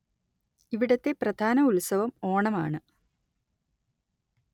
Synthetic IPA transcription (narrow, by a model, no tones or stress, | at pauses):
iʋiɽɐt̪ːe̞prɐd̪ʱaːnɐulsɐʋɐmo̞ːɳɐma̰ːɳɨ